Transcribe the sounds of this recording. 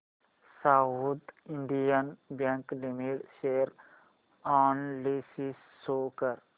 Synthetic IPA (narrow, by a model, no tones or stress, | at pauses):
saud̪ɪ̃ɳɖijənbjɛ̃ŋklimiʈʃeːɾ | ɔːnlisisːokəɾ